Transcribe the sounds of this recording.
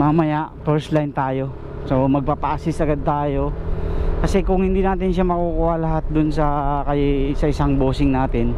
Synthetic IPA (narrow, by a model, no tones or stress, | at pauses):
maːmɐjaʔpɛɹslajnt̪aːjo̞ | so̞mɐɡ̚papaasɪsɐɡad̪̚t̪aːjo̞kɐsɛkʊŋhɪnd̪inaːt̪̬ɪnʃamɐkukuʔɐlɐɦat̪̚d̪ʊnsɐkɐjsɐɪsaŋboːsɪŋnaːt̪ɪn